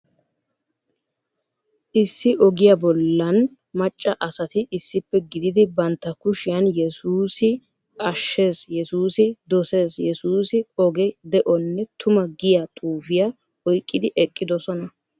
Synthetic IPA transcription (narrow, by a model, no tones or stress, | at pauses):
ʔɪsːɪʔɔɡɪjabɔlːɐn | mɐt͡ʃʼːɐʔɐsɐt̪ɪʔɪsːɪpːɛɡɪd̪ɪd̪ɪbɐnt̪ːɐkʊʃɪjɐnjɛsuːsɪ | ʔɐʃːe̞ːsjɛsuːsɪd̪ɔse̞ːsjɛsuːsɪɔɡɛd̪ɛʔɔnːɛt̪ʰʊmɐɡɪjat̪ʰʼuːfɪja | ɔjkʼːɪd̪ɪʔɛkʼːɪd̪ɔsɔnɐ